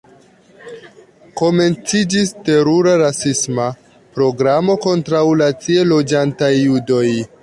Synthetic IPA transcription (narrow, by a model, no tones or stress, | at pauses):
ko̞me̞nt͡sid͡ʒiste̞ɾuɾaɾasisma | pɾo̞ɡɾamo̞ko̞ntɾawlat͡sielo̞d͡ʒantajːudo̞j